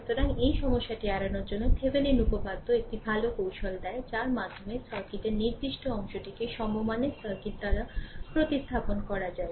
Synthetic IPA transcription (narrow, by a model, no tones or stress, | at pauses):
d͡ʒut̪oɾaŋejʃɔmoʃːaʈiaɽanoɾd͡ʑonːot̪ʰebenenupopad̪ʱːoek̚ʈibʱalokowʃold̪ɛet͡ɕaɾmad̪ʱːomesɔɾkit̪eniɾd̪iʃʈoɔŋʃoʈikeʃɔmomanesɔɾkit̪d̪aɾapɾot̪ist̪ʰaponkɔɾad͡ʑae